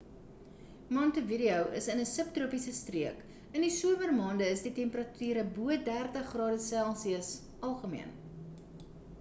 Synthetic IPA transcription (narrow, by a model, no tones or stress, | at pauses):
mɔntəviɾiəwʔə̰sənəsəp̚truəpisəstriək | əndisuəmərmɑːndəəsditɛmpərɐtʰyːɾəbuət̚dærtəχːrɑːdəsælˠsiəs | ɐlˠχəmḭən